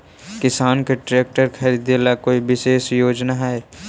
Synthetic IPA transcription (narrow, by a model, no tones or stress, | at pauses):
kɪsaːnkeʈɾeːk̚ʈəɾkʰɐɾiːd̪jelakoːiʋɪʃeːʃjoːd͡ʒnaɦɛe